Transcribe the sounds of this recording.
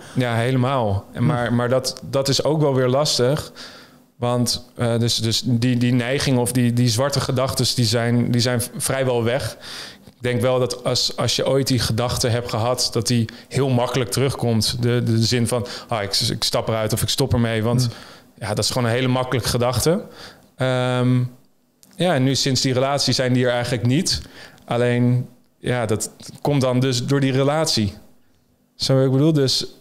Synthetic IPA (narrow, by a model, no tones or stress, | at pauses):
jaːɦejləmaːlˠmaːɹmaːɹdɑtdɑtɪsowkʋɛlˠʋɪːɹlɑstəχ | ʋɑntədɵsdɵsdidinɛjχɪŋəɔfdidizʋɑɹtəχədɑχtəsdizɛjndizɛjnvrɛjʋɛlˠʋɛχ | ɡ̚dɛŋkʋɛlˠdɑtɑsɑsjəʔojt̚diχədɑχtəɦɛptχəɦɑtd̥ɑtdi | hɪːlˠmɑkələk̚tərɵχkɔmtdədəzɪnfɑnoɪkɪ̰kstɑpəɾœɥtɔfɪkstɔpəɹmejʋɑntjaːdɑtɪ̥sχəʋoːnənɦejləmɑkələkə̥χədɑχtə | əm | jaːɛnːysɪnszdirəlaːtsisɛjndiəɹɛjχələknitʔalejn | jaːdɑtkɔmdɑndɵs̬dʊːɹdirəlaːtsi | soɪɡbədulˠdøs